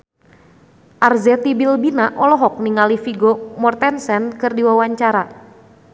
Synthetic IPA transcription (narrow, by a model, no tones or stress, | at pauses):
ʔarzɛt̪ibilbinaʔɔlɔɦɔk̚niŋalifiɡɔmɔrt̪ɛnsɛnkɨrdiwawaɲt͡ʃaɾa